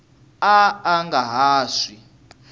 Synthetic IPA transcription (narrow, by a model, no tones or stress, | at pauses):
aːŋɡaɦaːsi